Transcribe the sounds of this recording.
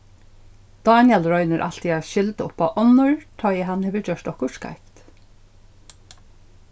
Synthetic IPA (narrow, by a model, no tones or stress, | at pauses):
d̪̥ɑːnjɛlɾɔʏnəɾʔa̰lt̪iaʃɪlt̪əʊpaʔɔnːʊɹt̪ʰɔːjɛɦanhɛʋəd͡ʒœʂt̪ɔhkʊska̰jkt̪